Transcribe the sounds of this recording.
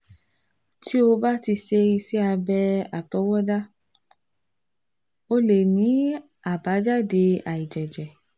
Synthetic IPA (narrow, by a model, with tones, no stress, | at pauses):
tʰi˦o˧ba˦ti˧se˧i˧si˦a˧bɛ˧a˨tɔ˨˦wɔ˦da˦ | o˦le˨nĩ˨˦ | a˨ba˨˦d͡ʒa˦˨de˧a˨i˨d͡ʒɛ˨d͡ʒɛ˨